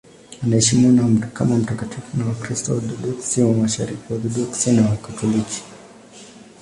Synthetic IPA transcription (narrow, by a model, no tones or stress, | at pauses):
anaɛʃimiwanam̩ɾka̰mam̩takatʰifunawakɾistɔdɔdɔksiwamaʃa̰ɾikiwaðɔdɔksinawakatʰɔliki̥